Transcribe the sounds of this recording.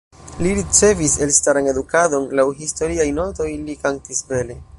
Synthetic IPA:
liɾit͡se̞vise̞lstaɾane̞dukado̞nlawɦisto̞ɾiajno̞to̞jlikantisbe̞le̞

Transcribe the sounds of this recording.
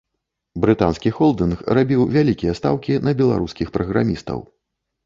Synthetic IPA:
bɾɨt̪anskʲixɔlˠd̪ɨnxrabʲiwvʲalʲikʲijɛst̪a̰wkʲinɐbʲɛlˠa̰ɾuskʲixpɾɐɣɾa̰mʲist̪ɐ̰w

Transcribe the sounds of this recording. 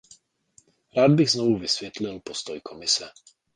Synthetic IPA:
ɾaːd̪biɣznɔvuvisʋjɛt̪lilpɔst̪ɔjkʰɔmisɛ

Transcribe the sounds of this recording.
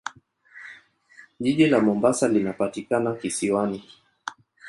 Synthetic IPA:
ʄiʄilamɔmbasalinapatikanakisiwani

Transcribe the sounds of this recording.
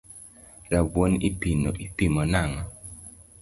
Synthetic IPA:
ɾabonipinoʔipimɔnaŋɔ

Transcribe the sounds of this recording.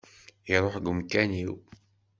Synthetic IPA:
iɾˤoħɡəmkːæniw

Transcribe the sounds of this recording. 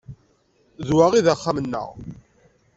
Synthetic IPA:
ðwaʁiðaχːamənːə̰ʁ

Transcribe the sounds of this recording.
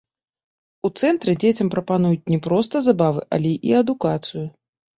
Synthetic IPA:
ut̪sɛnt̪ɾɨd͡zʲet͡sʲɐmpɾɐpanujut͡sʲnʲɛpɾɔs̬t̪ɐzabavɨʔɐ̰lʲɛʔiɐd̪ukat̪sɨju

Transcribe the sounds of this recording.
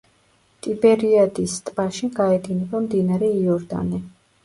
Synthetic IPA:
t̪ʼibɛɾiad̪ist̪ʼb̥aʃiɡaɛd̪inɛbamd̪inaɾɛiɔɾd̪a̰nɛ

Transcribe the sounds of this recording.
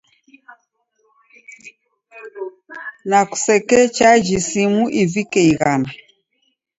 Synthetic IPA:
naku̥sɛkɛt͡ʃad͡ʒisimuʔivikɛiɣana

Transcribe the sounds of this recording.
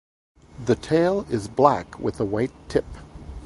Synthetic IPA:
ðɨtʰeɪlˠɪzblæ̰kʰwɨ̰ðəwaɪtʰɪp̚

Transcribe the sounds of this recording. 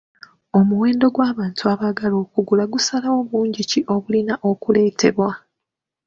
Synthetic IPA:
o̞muwe̞ːndo̞ɡwaːβaːntʰuaβaɡalo̞ːkuɡulaɡusalaoβuːɲɟiciʔo̞βulinaʔo̞kule̞ːtʰe̞̰βwa

